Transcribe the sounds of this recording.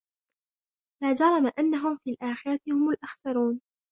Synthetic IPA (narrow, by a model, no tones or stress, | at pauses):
laːd͡ʒɑɾˤɑmaʔanːaɦʊmfiːlʔaːxɪɾˤɑt̪ɪhʊmʊlʔaxsɑɾˤuːn